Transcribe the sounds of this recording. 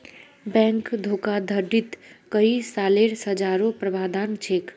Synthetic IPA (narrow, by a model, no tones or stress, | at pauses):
bɛ̃ŋkd̪ʱokad̪ʱəɖʱit̪kəisaleɾsəd͡ʒaɾopɾəbad̪ant͡ʃʰek